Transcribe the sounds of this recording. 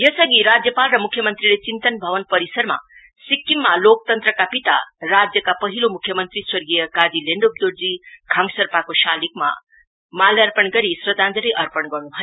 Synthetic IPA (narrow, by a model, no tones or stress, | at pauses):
jʌsʌɡiɾad͡zjʌpalrʌmukʰːjʌmʌnt̪rilet͡sint̪ʌnbʱʌʋʌnpʌɾisʌrma̰ | sikːimːalok̚t̪ʌnt̪rʌkapit̪a̰rad͡zjʌkapʌɦilomukʰjʌmʌnt̪riswʌrɡijʌkad̪ileɳɖop̚d̪oɾd͡zikʰʌŋsʌrpakoʃalikma̰ | maljʌrpʌnɡʌɾisrʌd̪ʱand̪ʌɾijʔʌrpʌnɡʌrnuɦʌjo